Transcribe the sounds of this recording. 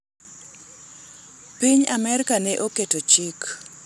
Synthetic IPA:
piɲamɛɾkanɛʔoketot͡ʃik

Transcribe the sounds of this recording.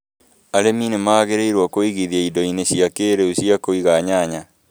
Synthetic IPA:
aɾeminemaːɣeɾeiɾwakoiɣiðjaidɔineɕiakeːɾeuɕiakoiɣaɲaɲa

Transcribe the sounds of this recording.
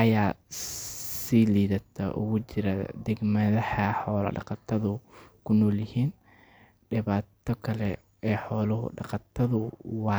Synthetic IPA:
ʔɐjaː | siːliːðɐt̪ʰɐ̰ʔʊ̰ɣʊt͡ʃɪɾɐd̪ɛɡmɐðɐħɐħɔːlɐ̰ɖɑ̰qɑt̪ʰɐðʊkʰʊnɔːljɪhiːn | ɖɪβaːt̪ʰɔkʰɐlɛ | ɛːħɔːlɐɦʊ̰ɖɑqɑt̪ʰɐðʊwɑː

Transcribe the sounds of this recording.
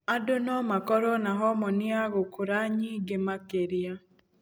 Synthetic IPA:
adonɔmakɔɾɔnaɦɔmɔnɪaɣokoɾaɲiɡemakeɾia

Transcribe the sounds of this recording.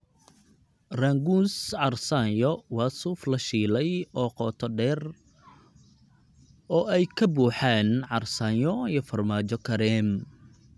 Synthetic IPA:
raːŋɡunsʕɑrsajɔwɑːsuːflɐʃiːlɛjɔːqɔːt̪ʰɔɖɛːr | ɔːʔɛjkʰɐbuːħaːnʕɑrsaːjɔijɔfɐrmaːt͡ʃɔkʰɐɾɛm

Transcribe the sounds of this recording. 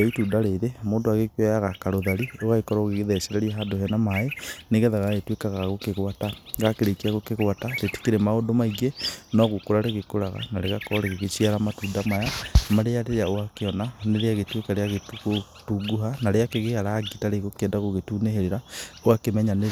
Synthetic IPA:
ituːdaɾeðemoːndoaɣekwɛjaɣakaɾoðaɾioɣaɣekɔɾaoɣeɣeðɛsɛɾɛɾiaɦadohɛnamaeneɣeðaɣaɣetwekaɣaɣokeɣwataɡakeɾekiaɣokeɣwataɾeti̥keɾemaondomaiɣenɔɣokoɾaɾeɣekoɾaɣa̰naɾeɣakɔɔɾeɣeɣesiaɾamatuːndamajamaɾeaɾeɾaoakeɔnaneɾeaɣetwekaɾeaɣetuko | tuɡuɦanaɾeakeɣeaɾaɡitaɾeɣokɛːndaɣoɣetuːneheɾeɾaoakemɛɲane

